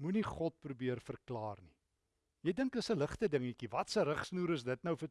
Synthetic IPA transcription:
muniχɔt̚prubiərfərklɑːrni | jəjdəŋkəsələχtədəŋikivɐtsəɾəχsnuːɾəsdətnəwfə

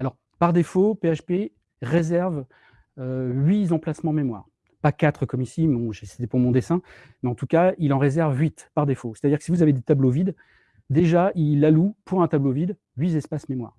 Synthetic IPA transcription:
alɔʁ | paʁd̪efopeaʃpe | ʁezɛʁv | øɥizɑ̃plasmɑ̃memwa̰ːʁ | pakat̪χəkɔmisimɔ̃ʒesɛ̥t̪ɛpuʁmɔ̃d̪esɛ̃ | mɛɑ̃t̪ukailɑ̃ʁezɛʁvɥit̪paʁd̪efose̥t̪ad̪iʁkə̥sivuzaved̪et̪ablovid̪ | d̪eʒailːalupʰuʁɛ̃t̪ablovid̪ | ɥizɛspasmemwa̰ːʁ

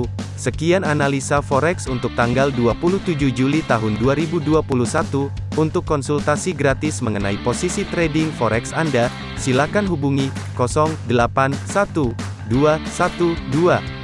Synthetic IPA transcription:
səkiananalisafɔɾɛksunt̪ʊk̚t̪aŋɡalduapulut̪ud͡ʒuhd͡ʒulit̪aɦʊnduaɾibuduapuluhsat̪uːnt̪ʊkːɔnsult̪asiɡɾat̪ɪsməŋənaiposisit̪ɾɛdɪŋfɔɾʔɛksanda | silakanɦubuŋi | kɔsɔŋdəlapansat̪u | duasat̪udua

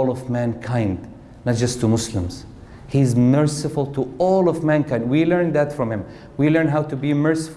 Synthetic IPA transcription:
lˠɔvmæ̃nkʰãɪ̃nd | nɑt̚d͡ʒʌstʰɨmʊslɪ̃mz̥ | hizmɜ˞sɪfʊlˠtʰəɔlˠɔvmæ̃nkʰãɪ̃nd̚wilɜ̃˞nðætfɹʌ̃mhɪ̃m | wilɜ̃˞nɦaʊtɨbimɜ˞sɪ̥f

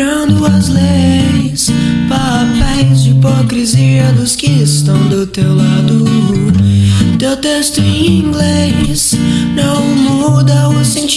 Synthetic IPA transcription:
ɐ̃d̪ʊɐzlejspaɾapɛj̃zd͡ʒipɔkɾiziɐd̪ʊskɪɪst̪ɐ̃w̃d̪ʊt̪ewlad̪ʊ | t̪ewt̪est̪ʊẽj̃ĩŋɡlesnɛmoud̪ɐʊsẽt͡ʃ

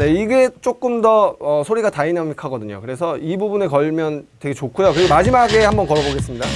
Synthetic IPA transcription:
neiɡe̞t͡ɕ͈ok͈ɯmdʌʌsʰoɾiɡatainamikʰaɡʌdɯɲo̰kɯɾe̞sʰʌibubune̞kʌɭmjʌntwe̞ɡe̞t͡ɕokʰujokɯɾiɡomad͡ʑimaɡe̞hambʌnkʌɾʌboɡe̞s͈ɯmɲida

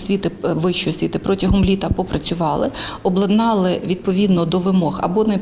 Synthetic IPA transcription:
sʲʋʲit̪ɪʋɪʃt͡ʃɔjɔsʲʋʲit̪ɪpɾɔtʲɐɦɔmlʲit̪ɐpɔpɾɐt͡sʲʊʋɑlˠɪɔblˠɐd̪nɑlˠɪʋʲid̪̚pɔʋʲid̪nɔd̪ɔʋɪmɔxɐ̰bɔnɛ

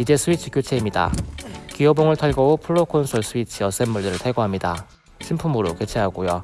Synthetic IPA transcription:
id͡ʑe̞sʰuit͡ɕʰɯ̥k͈jot͡ɕʰe̞imɲida̰kijʌboŋɯɭtʰaɭɡʌopʰuɭːokʰonsʰoɭs͈ʰuit͡ɕʰiʌs͈enmuɭːiɾɯɭtʰaɭɡoɦamɲida | ɕʰimpʰumɯɾo̰ke̞t͡ɕʰeɦaɡojo

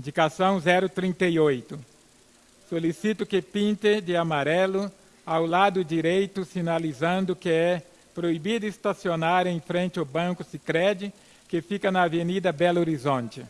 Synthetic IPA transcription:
ĩnd͡ʒikasɐ̃w̃zɛɾʊt̪ɾĩnt̪ejojt̪ʊ | solisit̪ʊkɪpĩnt̪ɪd͡ʒɪamaɾɛlʊ | awlad̪ʊd͡ʒiɾejt̪ʊsinalizɐ̃nd̪ʊkɪɛ | pɾoibid̪ʊɪst̪asionaɾẽj̃fɾẽnt͡ʃɪawbɐ̃ŋkʊsikɾɛd͡ʒɪ | kɪfikɐnɐːvenid̪ɐbɛloɾizõnt͡ʃɪ

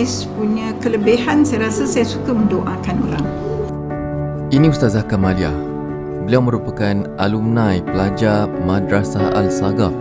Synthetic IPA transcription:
spuɲãkələbehansajaɾasasajasukamə̃ndoʔakano̰ɾaŋ | inĩust̪azakamaliah | bəliawmə̃ɾupakanʔalumnãjpəlad͡ʒamadɾasaa̰lsaɡaf̚

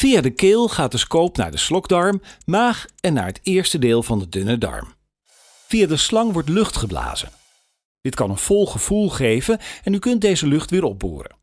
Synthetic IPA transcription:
v̥ijadəkeːlˠχaːt̚əskowpna̰ːɹdəslɔɡdɑɹmmaːχɛnːa̰ːɹɦətɪːɹstədeːlˠvɑndədʏnədɑ̰ɹm | v̥ijadəslɑŋʋɔɹtlɵχtχəbla̰ːz̥ə̰n | d̥ɪtkɑnənv̥ɔlˠχəv̥ulˠχejvənɛnykɵnt̚dejzəlɵχtʋɪːɹɔb̚bṵːrə̰

